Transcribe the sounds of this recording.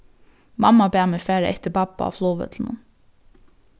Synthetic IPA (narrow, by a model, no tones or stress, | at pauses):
mɑmɑbɛæːmɛfæːɾəʔɛt̪əbɑbɑ̰ɑ̰ːʋsloːʋə̰t̪ʰl̩n̩ə̰n